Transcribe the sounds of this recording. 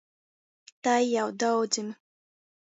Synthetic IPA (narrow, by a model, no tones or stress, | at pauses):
t̪ajːawd̪awd̪zim